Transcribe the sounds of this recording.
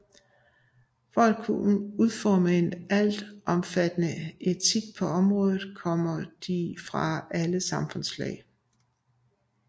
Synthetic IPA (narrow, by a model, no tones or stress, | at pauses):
fɒæl̥̚kʰuuð̞ˠfɒːməe̝næl̰d̥ʔɒ̽mfæd̥ənəʔe̝t͡sʰiɡ̥̚pʰɒ̽ɒ̽mʁɔ̽ːðˠð̩ˠkʰɒ̽m̰ɐd̥ifʁɑ̈æləsɑ̈mfɔ̽nslɛ̰ɪ